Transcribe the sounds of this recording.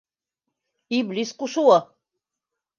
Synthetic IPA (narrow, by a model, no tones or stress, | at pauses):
ibliskuʃuwa